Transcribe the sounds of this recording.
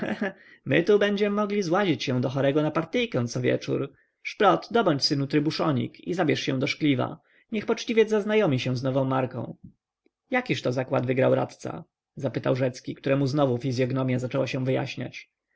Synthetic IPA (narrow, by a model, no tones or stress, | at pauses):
mɘt̪ubɛɲd͡ʑɛmɘmɔɡlʲizwaʑit͡ɕɕɛw̃d̪ɔxɔɾɛɡɔnapaɾt̪ɘjkɛ̃w̃nt̪sɔvʲjɛ̰t͡ʂṵɾ | ʂpɾɔt̪d̪ɔbɔɲt͡ɕsɘnut̪ɾɘbuʂɔɲḭkḭzabʲjɛʂɕɛ̃w̃d̪ɔʂklʲiva̰ | ɲɛxpɔt͡ʂt͡ɕivʲjɛzaznajɔmʲiɕɛw̃znɔvɔ̃w̃mːaɾkɔ̰̃w̃ | jakʲiʂt̪ɔzakwad̪vɘɡɾawɾa̰t̪t̪sa̰ | zapɘt̪awʐɛt̪skʲikt̪uɾɛmuznɔvufʲizʲjɔɡnɔmʲjazat͡ʂɛwaɕɛ̃w̃vɘja̰ɕɲa̰t͡ɕ